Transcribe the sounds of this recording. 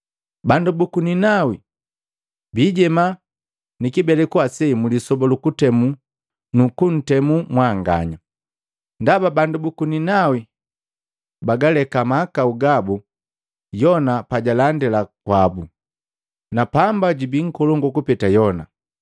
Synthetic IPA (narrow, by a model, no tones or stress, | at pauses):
bandubukuninawi | biːɟɛma | nikibɛlɛkuasɛmulisɔbɔlukutɛmu | nukun̩tɛmumwaŋɡa̰ɲa | ndababandubukuninawi | baɡalɛkamaːkauɡabu | jɔnapaɟalandɛlakwabu | napambaɟibiŋ̩kɔlɔŋɡɔkupɛtajɔna